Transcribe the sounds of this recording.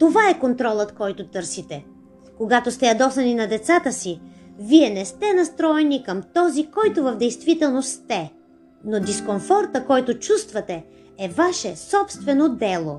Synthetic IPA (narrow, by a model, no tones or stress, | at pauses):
t̪ovaɛkont̪ɾɔlˠət̪kɔjt̪ʊt̪ɤɾsit̪ɛ | koɡat̪ost̪ɛjɐd̪ɔsɐninɐd̪ɛt̪sat̪əsiviɛnɛst̪ɛnɐst̪ɾɔɛnikəmt̪ɔzikɔjt̪ovɐvd̪ɛjst̪vit̪ɛlˠnost̪ɛ | nod̪iskonfɔɾt̪əkɔjt̪ʊt͡ʃust̪vɐt̪ɛ | ɛvaʃɛsɔpst̪vɛnod̪ɛlˠo